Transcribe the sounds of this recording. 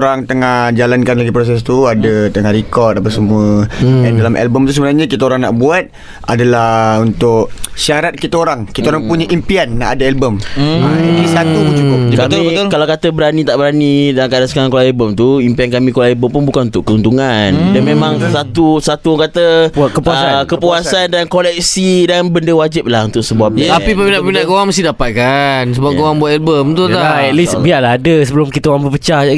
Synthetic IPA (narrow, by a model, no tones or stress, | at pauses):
ɾaŋt̪əŋad͡ʒalankanlaɡipɾos̬ɛs̬t̪uadat̪əŋaɾikɔrt̪apasəmuəandalamʔɛ̰lbəmt̪us̬əbənarɲakit̪aoɾaŋna̰ʔbuat̪̚ | adalahunt̪ʊk̚siaɾat̪̚kit̪aoɾaŋkit̪aoɾaŋpuɲaʔimpianːa̰ʔadaɛlbəmaiisat̪upt͡ʃukʊp̚d͡ʒkaamkalawkat̪əbəɾanit̪aʔbəɾanidankadasə̥kaɾaŋkolaɛlbəmt̪uimpiankamĩkolaɛlbəmpʊnbukanunt̪ʊʔkəunt̪uŋandanmẽmãŋsat̪usat̪uŋkat̪əkəpuaskəpuasandankolɛk̚sidanbəndəwad͡ʒɪp̚lahunt̪ʊk̚səbuap̚ɲapipəminãpəminãɡowaŋməst̪idapat̪̚kansəbaɡowaŋbuat̪̚ɛlbəmt̪ut̪aaɛt̪lisbialaadəsəbəlʊmkit̪əwaŋbəpət͡ʃaa